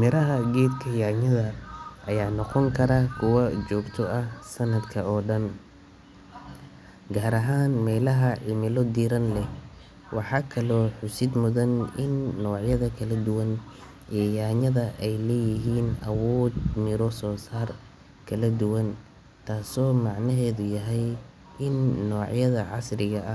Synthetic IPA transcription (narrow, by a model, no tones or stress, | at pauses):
mɪɾɐɦɐɡɛːd̪kʰɐjaːɲɐðɐːjaːnɔqɔŋkʰɐɾɐkʰʊwɐt͡ʃɔːɡt̪ʰɔʔɐhsɐnɐd̪kʰɐɔːɖɐn | ɡaːɾɐɦaːnmɛːlɐɦɐʕɪmɪlɔd̪iːɾɐnlɛ | wʔɑħɑːkʰɐlɔːħʊsɪd̪mʊðɐnɪnːɔːʕjɐðɐkʰɐlɐd̪ʊwɐn | ʔɛːjaːɲɐðɐʔɛjlɛːjɪɦiːnɐwɔːd̪mɪɾɔsɔːsaːr | kʰɐlɐd̪ʊwɐn | t̪ʰaːsɔːmɑʕnɐɦɛːðʊjɐɦɛj | ɪnːɔːʕjɐðɐʕɑ̰srɪɣɐʔɐ